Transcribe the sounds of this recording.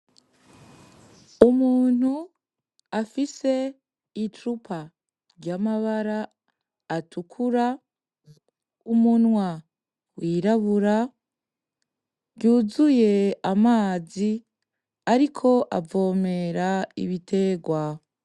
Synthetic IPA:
umuːn̥hu | afise̞ | itɾupʰa | ɾɟamaβaɾaː | tʰukʰuɾa | umunwa | wiːɾaβuɾa | ɟuːzuje̞amaːzi | aɾikʰo̞ʔavo̞ːme̞ɾaḭβitʰe̞ɡwa

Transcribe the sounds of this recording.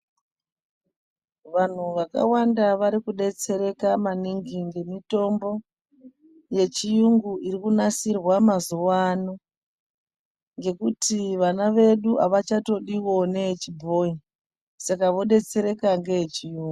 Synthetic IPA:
ʋan̤uʋaka̰wandaʋaɾikuɗe̞t͡se̞ɾe̞kamaniŋɡiŋɡe̞mito̞mbo̞ | je̞t͡ʃijuŋɡuiɾikunasirwamazuwano | ŋɡe̞kutʰiʋanaʋe̞ɗua̰ʋat͡ʃato̞ɗiwo̞ne̞t͡ʃibʱo̞i | sakaʋo̞ɗe̞t͡se̞ɾe̞kaŋɡe̞jet͡ʃijuːŋɡu

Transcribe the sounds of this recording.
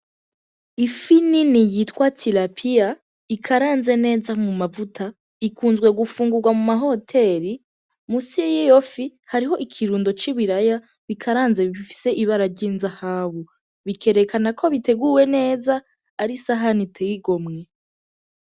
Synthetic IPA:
ifininijitwatʰiɾapʰija | ikʰaɾaːnze̞ne̞ːzamumavutʰa | ikuːnzɡwe̞ɡufuːŋɡuɾɡwamumaɦo̞tʰe̞ɾi | musijijo̞fihaɾiɦo̞ʔikʰiɾuːndo̞t͡ʃiβiɾaja | βikʰaɾaːnze̞βifi̥se̞ʔiβaɾaɾɟiːnzahaːβu | βikʰe̞ɾe̞kanakʰo̞βite̞ɡuwe̞ne̞ːzaː | ɾisaɦanitʰejiɡo̞mŋe̞

